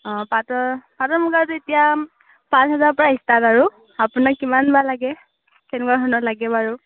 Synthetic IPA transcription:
ɔ̃patɔpatɔmuɡaɹtʊetija | pãnsɦɛzaɹpɔɹaistataɹu | apʊnakkimanbalaɡɛ | sʰɛnkaɹɦɔnɔlaɡɛbaɹu

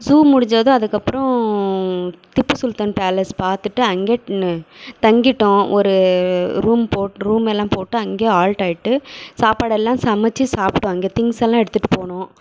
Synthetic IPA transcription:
suːmʊɽɪɲd͡ʒɐðʊ̃ɐðɯkːɐpːɾɔ̃ | t̪ɪpːɯsʊlt̪ɐnpaːlɐspaːɾt̪ɯʈːɯɐŋɡeː | t̪ɐŋɡɪʈːʊ̃ɔɾɯɾuːmpoːʈːɾuːmɛlːãːpoːʈːɯɐŋɡeːaːlʈaːjɪʈːɯsaːpaːɽɐɛlːãːsɐmɐt͡ʃːisaːpʈʊ̃ɐŋɡeːt̪ɪŋsɛlːãːɛɽɯt̪ːɯʈːɯ̥poːɳʊ̃ː

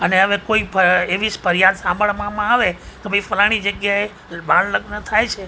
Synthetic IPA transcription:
əneəʋekoipəeʋispəɾjad̪sãmbʱəɭmãmãaʋek̪ebəifəlaɽ̃id͡ʒəɡjae | bãnləɡnət̪ʰajt͡ʃʰe

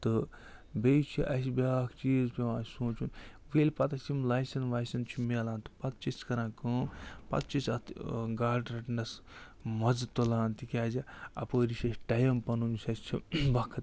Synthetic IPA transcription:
t̪ɨ | bejt͡ʃʰiʔɐsbʲaːkʰt͡ʃiːzpʲewãsũːt͡ʃʰun | ʋeːlʲpɐt̪ɐsimlaːjsɐnʋajsɐnt͡ʃʰumelaːnt̪ɨ̥pɐt̪t͡ʃiskɐɾãːkəːmpɐ̰t̪t͡ʃisɐt̪ɡaːʈɾɐʈnɐs | mɐd͡zt̪ːolãːnt̪ikʲaːzɐɐ̰pəːɾisɐsʲʈajɐmpɐnunusɐst͡ʃʰibɐkʰɐt̪

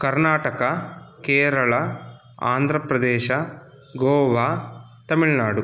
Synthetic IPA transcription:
kɐɾnaːʈɐkɐkeːɾɐɭɐ | a̰ːnd̪ʱɾɐpɾɐd̪eːʃɐ | ɡoːʋaː | t̪ɐmiɭnaːɖu

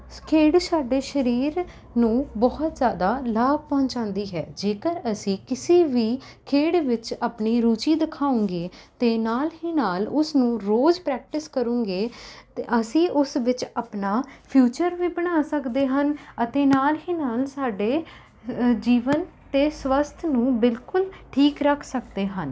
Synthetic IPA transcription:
kʰeːɽsaːɖeːʃəɾiːɾ | nũːbɔːət̪zjaːd̪aːlaːɡ̚pɔ̃ːɲt͡ʃãːnd̪iːɦɛ̰ːd͡ʒeːkəɾəsĩːkɪseːʋiː | kʰeːɽʋɪt͡ʃaːpɳiːɾuːt͡ʃiːd̪ɪkʰaːʊ̃ːŋɡeːt̪eːnaːlɦiːnaːlʊsnũːɾoːzpɾɛːk̚ʈɪskəɾũːŋɡeːt̪ːʔəsĩːʔʊsʋɪt͡ʃaːpnaːpʰjuːt͡ʃəɾʋiːbəɽ̃aːsəkd̪eːɦənət̪eːnaːlɦiːnaːlsaːɖeː | d͡ʒiːʋənt̪eːsʋəst̪ʰnũːbɪlkʊlʈʰiːkɾəkʰsəkd̪eːɦən

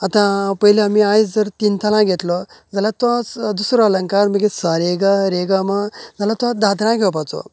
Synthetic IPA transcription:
at̪ãpəjileamiajt͡sd͡zəɾt̪int̪ʰalãɡʱet̪lɔ | d͡zalat̪ãt͡sd̪usɾɔaləŋkaɾməɡesaɾeɡaɾeɡamad͡zalat̪ãd̪ad̪ɾãɡʱewpat͡sɔ̰

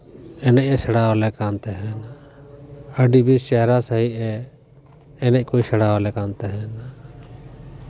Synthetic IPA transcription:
eːnəʔesəɽaːʋleːkaːnt̪eɦɛn | əɖiːbiːst͡ʃɛɦɾaːsəɦiɛ | eːnəʔkoːisəɽaːʋleːkãːnt̪eɦɛːn

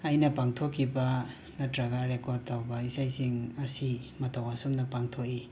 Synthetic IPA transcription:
ɐjnɐpaŋtʰokʰːibɐ | nɐdɾaɡaɾekɔɾd̚tawbɐisajsiŋɐsimɐtʰawasumnɐpaŋtʰoki

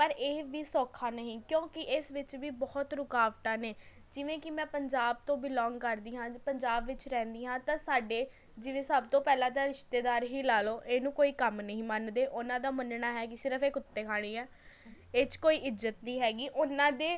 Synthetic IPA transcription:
pəɾeːʋiːsɔːkʰaːnəɦĩːkjõːkɪʔɪsʋɪt͡ʃʋiːbɔːt̪ɾʊkaːʋʈaːneː | d͡ʒɪʋẽːkɪmɛ̃ːpəɲd͡ʒaːb̚t̪õːbɪlɔ̃ːŋɡkəɾd̪iːɦãːpəɲd͡ʒaːbʋɪt͡ʃɾɛ̃ːnd̪iːɦãːt̪ãːsaːɖeː | d͡ʒɪʋẽːsəbt̪õːpɛːlãːt̪̬ãːɾɪʃt̪eːd̪aːɾɦiːlaːloːʔeːnũːkoːiːkəmnəɦĩːmənd̪eːʔʊnãːd̪aːmənɳaːɦɛːk̬ɪsɪɾəpʰeːkʊt̪ːeːkʰaːɽ̃iːɛː | eːt͡ʃkoːiːʔɪzət̪̚niːɦɛːɡiːʔʊnãːd̪eː

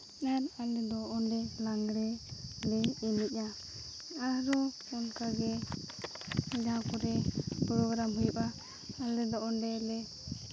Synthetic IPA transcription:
naɾalɛd̪ɔʔɔnɖɛlaŋɡɾɛlɛilɛc̚ˀa | aɾɔ | ɔnkaɡɛ | d͡ʒãkɔɾɛpɾɔɡɾamɦujuʔa | alɛd̪ɔʔɔnɖɛlɛ

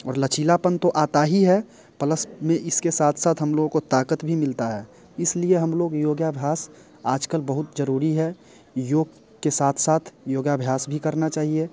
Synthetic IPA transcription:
ɔːɾlət͡ʃʰiːlapənt̪oʔaːt̪aɦiɦɛ | pələsmẽʔɪskesaːt̪ʰsaːt̪ʰɦɐmloːɡõkot̪aːkət̪bʱimɪlt̪aɦɛː | ɪslieɦɐmloːɡjoːɡjabʱjaːs | aːd͡ʒkəlbəɦʊt̪d͡ʒəɾuːɾiɦɛ | joːɡ | kesaːt̪ʰsaːt̪ʰjoːɡabʱjaːsbʱikɐɾnat͡ʃaːɦie

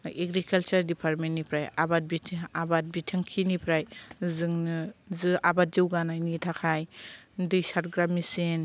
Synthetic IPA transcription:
eɡɾikʰalt͡ʃaɾdipʰaɾmennːipʰɾaja̰bat̚bitʰabat̚bitʰaŋkʰinipʰɾajzɯŋnɯzɯʔabat̚d͡ʒɯwɡanajnitʰakʰajdɯjsat̚ɡɾamːisen

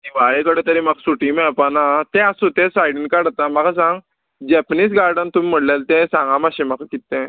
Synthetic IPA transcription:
iʋaɭekəɽẽt̪əɾĩmaksuʈimapanat̪ɛ̃asut̪ẽsajɖəɳkaɽat̪amakasãŋɡ | d͡ʑɛpniːs̬ɡaɾɖənt̪umim̤əɽlalt̪ẽsãŋɡãmaɕẽmakʰakit̪ːẽ

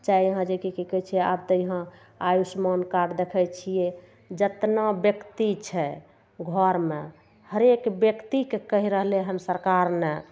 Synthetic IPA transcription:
t͡ʃaiɦãd͡ʒekikikɛt͡ʃʰiɛa̰bt̪əjɦã | ajusmankaɾd̪ekʰɛt͡ʃʰije | d͡ʒət̪nabjəkt̪it͡ʃʰɛ | ɡʱɔɾmḛ | həɾekbjəkt̪ikekəɦiɾəɦleɦəmsəɾkaɾne

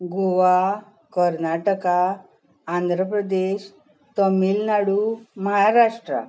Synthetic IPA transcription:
ɡoʋa | kəɾnaʈəkaː | nd̪ʱɾəpɾəd̪eɕ | t̪əmiːlnaɽuməɦaɾaʂʈɾa̰

